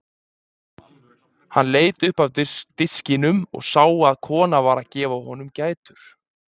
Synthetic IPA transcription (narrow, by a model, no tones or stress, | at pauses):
hanleːjt̪ʏhpawt̪ɪɾ̥t̪ɪt̪scɪnʏmɔ̰ɣsaːwaːðkʰɔːnavaːɾaðcɛːvahɔnʏmcaːjt̪ʏɾ̥